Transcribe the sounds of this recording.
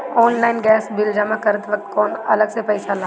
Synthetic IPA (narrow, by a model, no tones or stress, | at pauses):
ɔːnlaːɪnɡɛːsbɪld͡ʒamãkɐɾət̪ʋɐk̚t̪̚kɔːnɐləɡsepɛːɪsala